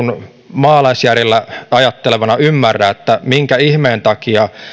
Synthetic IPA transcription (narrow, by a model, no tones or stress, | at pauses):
un | mɑːlɑisjærelːæɑjɑt̪ːeleʋɑnɑymːærːæːet̪ːæmiŋkæihmeːnt̪ɑkiɑ